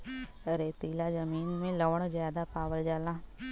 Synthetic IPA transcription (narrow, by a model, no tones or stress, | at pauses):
əɾeːt̪iːlaːzəmiːnmẽːləːɳzjaːd̪aːpaːʋəld͡ʒaːlãː